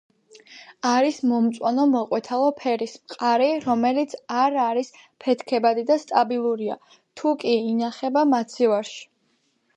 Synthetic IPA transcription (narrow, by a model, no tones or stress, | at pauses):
aɾismɔmt̪sʼwanɔmɔqʼwɛt̪ʰalˠɔpʰɛɾismqʼaɾiɾɔmɛlit̪sʰaɾaɾispʰɛt̪ʰkʰɛbad̪id̪ast̪ʼabilˠuɾia̰ | t̪ʰukʼiːnaχɛbamat̪sʰivaɾʃi̥